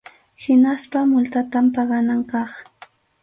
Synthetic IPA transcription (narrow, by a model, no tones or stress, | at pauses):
hɪnaspamʊlt̪at̪ampɑɢɑnaŋkɑχ